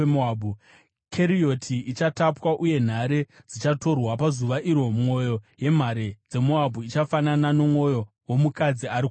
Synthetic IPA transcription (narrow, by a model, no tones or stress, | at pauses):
moabʱu | kʰeɾiotʰiit͡ʃatapwaʔuje̞n̤aɾe | d͡zit͡ʃato̞rwapazuʋaʔiɾomŋo̞jo̞je̞m̤aɾed͡ze̞moabʱuit͡ʃafanananomŋo̞jo̞ | womukad͡ziaɾik